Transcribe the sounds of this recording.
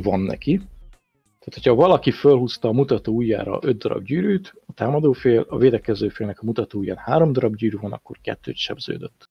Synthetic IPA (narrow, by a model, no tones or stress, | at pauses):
vɒnːɛ̰ki | t̪aːt̪hocʰhɒvɒlɒkifølɦust̪ɒːmut̪ɒt̪oːujːa̰ːɾɒ̰ʔø̞d̪ːɒɾɒ̰b̚ɟyːɾyːt̪ɒt̪aːmɒd̪oːfeːlɒveːd̪ɛkɛzøːfeːlnɛkɒmut̪ɒt̪oːujːa̰ːnhaːɾo̞md̪ɒɾɒbɟyːɾyvonɒ̰kːo̞̰rkɛ̰t̪ːø̰ːt̪ʃɛ̰bz̥ø̰ːd̪øt̪ː